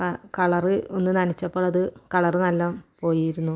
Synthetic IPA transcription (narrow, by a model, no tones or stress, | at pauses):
kɐkɐɭɐrɨonːɨnɐnit͡ɕːɐpːoːɭɐðɨkɐɭɐrɨnɐlːaːmpo̞ːjijiɾunːu